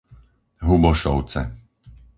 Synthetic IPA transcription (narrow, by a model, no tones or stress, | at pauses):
ɦubɔʃɔʊt͡sɛ̰